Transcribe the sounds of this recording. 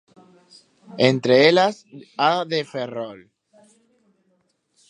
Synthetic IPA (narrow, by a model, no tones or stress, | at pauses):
ent̪ɾeelas | aðeferol